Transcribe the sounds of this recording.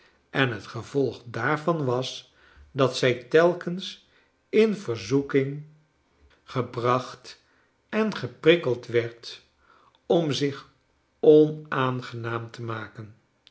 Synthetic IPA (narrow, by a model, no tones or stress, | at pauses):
ʔɛnɦətχəv̥ɔlˠχdaːɹvɑnʋɑs | dɑtsɛjtɛlˠkəns | ɪnvəɹzukɪŋ | χəbrɑχt | ɛnχəprɪkəlˠtʋɛɹt | ɔmzɪχ | ɔnaːnχənaːmtʰəmaːkən